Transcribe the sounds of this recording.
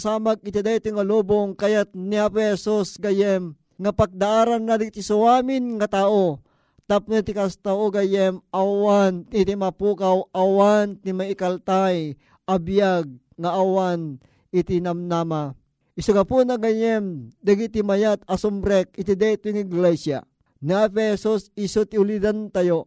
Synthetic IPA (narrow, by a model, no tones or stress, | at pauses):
saːmaɡ̚ɪt̪id̪ajt̪oŋaloboŋkajat̪̚niapɛɛsusɡajɛm | ŋapaɡ̚d̪aʔaːɾanːad̪aɡt̪isuwaːmɪnŋat̪aːʔo | t̪apnet̪ikast̪aʔoɡajɛmawanit̪imapukawʔawant̪imaikalt̪aj | ʔabijaɡ̚ | ŋaʔːwan | it̪inamnama | ʔisoɡapunaɡajɛmd̪aɡit̪imajat̪̚asumbɾɛk̚it̪id̪ɛt̪ʊŋiɡlɛsja̰ | niɛfɛsosisot̪iulid̪ant̪ajo